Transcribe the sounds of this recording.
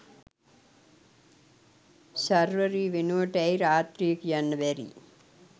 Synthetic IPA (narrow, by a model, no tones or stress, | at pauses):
sɐɾʋəɾiʋenoːʈɛjɾaːt̪ɾiːkjɐnʋɛɾḭ